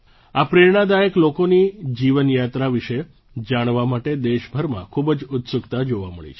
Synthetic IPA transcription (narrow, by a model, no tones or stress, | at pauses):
apɾeɾɳ̃ad̪ajəklokonid͡ʒiʋənjat̪ɾaʋiʃe | d͡ʒaɽ̃ʋamaʈed̪eʃbʱəɾmã̰kʰubd͡ʒʊt̪sʊkt̪ad͡ʒoʋamə̰ɭḭt͡ʃʰe